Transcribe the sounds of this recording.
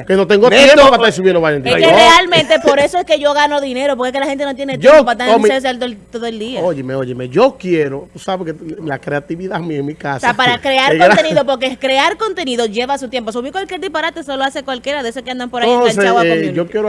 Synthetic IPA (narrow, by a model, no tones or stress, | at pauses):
kenot̪eŋɡot̪jeopaaisuβinoβajent̪eerealmẽnt̪epoɾe̞soeskeʝo̞ɣanoðineɾopoɾkeskelahe̞nt̪enot̪̬jenet̪jopoat̪aeɾs̬eld̪et̪oðoeld̪iaoʝemeoʝemeʝokjeɾot̪usaβekelakɾeat̪iβiðaemiaeŋmikasseapaɾakɾeaɾot̪eniðop̬oɾk̬ekɾe̞aɾko̞nt̪e̞niðoʝe̞βasut̪jemp̬os̬uβikwalkjeɾðipaɾat̪esoloasekwalkje̞ɾaðeesokeand̪ampoɾajeɡant͡ʃawaookjeɾo